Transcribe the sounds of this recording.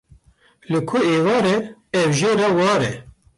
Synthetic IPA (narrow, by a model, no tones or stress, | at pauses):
lɨkʰʊeːvɑːɾɛɛvʒeːɾɛwɑːɾɛ